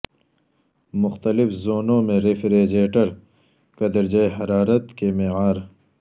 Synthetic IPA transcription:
mʊxt̪əlɪfzoːnõmẽɾefɾeːd͡ʑeːʈɐɾ | kɐd̪əɾd͡ʑɐjɦɐɾaːɾət̪kemeʕaːɾ

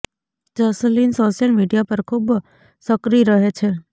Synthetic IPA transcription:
d͡ʒəslinsoʃijəlmiɖijapəɾkʰub | səkɾiɾəɦet͡ʃʰe

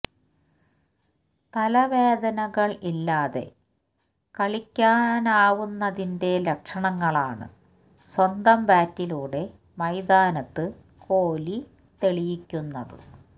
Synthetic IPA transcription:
t̪ɐlɐʋe̞ːd̪ɐnɐɣɐɭilːaːðe̞̰ | kɐɭikʲːaːnaːʋunːɐðinde̞lekʂɐɳɐŋːɐɭaːɳɨ̰ | swɐnd̪ɐmbaːtːiluːɽe̞ | mɐjd̪aːnɐt̪ːɨ | ko̞ːli | t̪e̞ɭijikʲːunːɐðɨ̰

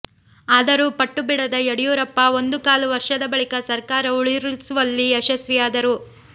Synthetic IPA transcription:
aːd̪ɐɾupɐʈːubiɽɐd̪ɐeɽijuːɾɐpːɐo̞nd̪ukaːluʋɐɾʂɐd̪ɐbɐɭikɐsɐɾkaːɾɐuɭiɾsuʋɐlːieʃɐsʋijaːd̪ɐɾu

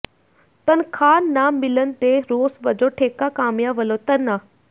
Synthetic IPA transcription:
t̪ɐnkʰaːnːamɪlənɪ̆t̪eɾoːsʋɐd͡ʑoʈʰeːkakaːmjaʋɐlot̪ɐna

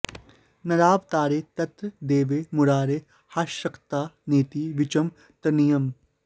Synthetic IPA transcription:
nɐɾaːbt̪aːɾeːt̪ɐt̪ɾd̪eːʋeːmʊɾaːɾeː | haːʃɐkt̪aːneːt̪iʋɪt͡ʃɐm | t̪ɐnijɐm

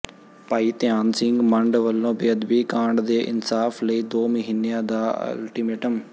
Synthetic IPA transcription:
paːiːt̪ɪjaːnsɪŋɡməɳɖʋəlːõːbeəd̪biːkãːɳɖd̪eːʔɪnsaːpʰləiːd̪oːməɦiːnejãːd̪aːə̰lʈiːmeːʈəm

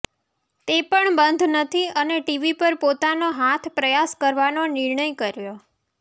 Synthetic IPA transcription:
t̪epəɳbənd̪ʱnət̪ʰiəneʈiʋipəɾpot̪anoɦat̪ʰpɾəjaskəɾʋanonɪɾɳəjkəɾjo

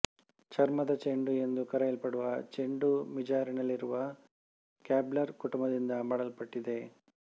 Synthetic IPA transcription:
t͡ʃɐɾmɐd̪ɐt͡ʃeɳɖue̞nd̪ukɐɾɐjɐlpɐɽuʋɐt͡ʃeɳɖumid͡ʒaːɾinɐlːiɾuʋɐ | kaːblɐɾkuʈumbɐd̪ind̪ɐmɐɽɐlpɐʈːid̪e̞

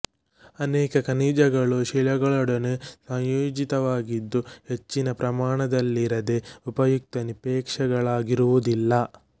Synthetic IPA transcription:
ɐnɛːkɐkɐniːd͡ʒɐɡɐɭuʃilɐɡɐɭɔɽɐnesɐjoːd͡ʒit̪ɐʋaːɡid̪ːuhe̞t͡ʃːinɐpɾɐmaːɳɐd̪ɐlːiɾɐd̪eupɐjuk̚t̪ɐnipeːkʂɐɡɐɭaːɡiɾuʋud̪ilːɐ

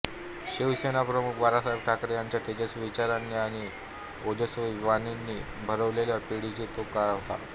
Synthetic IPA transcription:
ɕiʋsenapɾəmukʋaɾasajbʈʰakɾjaɲt͡ɕjat̪ed͡ʑasʋit͡ɕaɾanːiaɽ̃i | od͡ʑəsəʋaninːiː | bʱəɾəʋleljapiɽid͡ʑit̪okaɭaɦt̪a̰

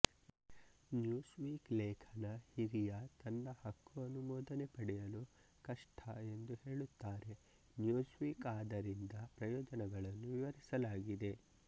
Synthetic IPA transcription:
njuːsʋiːklɛːkʰɐnɐhiɾijɐt̪ɐnːɐhɐkʰːuɐnumɔːd̪ɐnepɐɽɛjɐlu | kɐʂʈʰɐe̞nd̪uhe̞ːɭut̪ːaːɾe̞ | njuːsʋiːkaːd̪ɐɾind̪ɐpɾɐjɔːd͡ʒɐnɛɡɐɭɐnːuʋiʋɐɾisɐlaːɡid̪e̞

